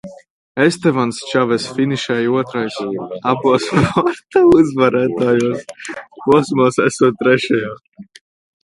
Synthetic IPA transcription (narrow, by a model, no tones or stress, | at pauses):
est̪ɛvanst͡ʃavɛsfiniʃɛjuɔt̪ɾajsabuɔsvɔɾt̪auzvaɾæːt̪aːjuɔspuɔsmɔsæsuːt̪̚t̪ːɾɛʃɛjaː